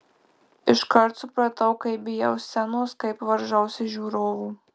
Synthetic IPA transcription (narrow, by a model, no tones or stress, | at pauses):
ɪʃkɐɾt̪sʊpɾɐt̪ɐʊkɐɪbʲɪjɛʊsʲɛnoːskɐɪpʋɐɾʒɐʊsʲɪʒʲuːɾoːʋuː